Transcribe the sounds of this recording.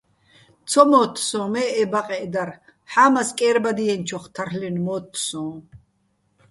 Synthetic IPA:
t͡sʰɔmɔːt̪ʰːsɔ̃ːmɛːɛbaqʼɛd̪aɾ | ħaːmaskʼɛːɾbad̪iɛnt͡ʃʰɔχt̪ʰarlɛnmɔːt̪ʰːsɔ̃ː

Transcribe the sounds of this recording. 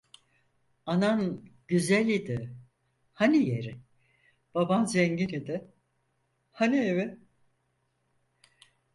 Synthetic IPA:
ananɟyzælʲid̪ɪ | hanijeɾɪ | b̥abanzɛɲɟinid̪ɪ | hanievɪ

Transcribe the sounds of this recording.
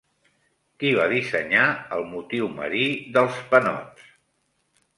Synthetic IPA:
kiβ̞aðisəɲaəlˠmut̪iwmə̰ɾiðəlˠspənɔ̰ts

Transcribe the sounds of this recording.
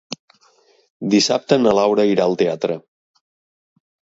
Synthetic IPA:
d̪isa̰p̚t̪ənəlawɾəiɾaəlˠt̪eat̪ɾə

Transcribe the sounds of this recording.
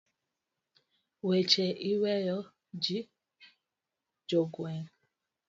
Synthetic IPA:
wet͡ʃeʔiwejɔ | d͡ʒi | d͡ʒoɡweŋ

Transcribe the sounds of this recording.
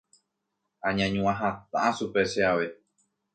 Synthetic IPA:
ãɲãɲũãɦat̪̚ãʔasupeʃeaʋe̞

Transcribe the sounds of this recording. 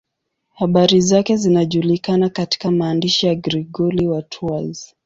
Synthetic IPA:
haɓaɾizakɛzinaʄulikanakati̥kamaːndiʃijaɡɾiɠɔliwatʰuaz̥

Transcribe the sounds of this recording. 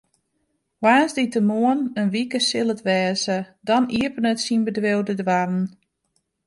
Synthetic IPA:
ʋaːzditəmuənənʋikəsɪlˠətʋɛːzədɔniəpənətsinbədʋewdədwarn̩

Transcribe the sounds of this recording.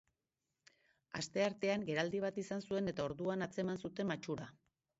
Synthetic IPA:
a̰st̪e̞aɾt̪e̞aŋɡe̞ɾald̪iβ̞at̪isansue̞ne̞t̪ao̞ɾðuanat͡se̞mansut̪e̞mat͡ʃuɾa

